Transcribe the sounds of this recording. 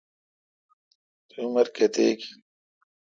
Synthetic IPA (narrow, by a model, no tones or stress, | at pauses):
t̪uumɐɾket̪eːki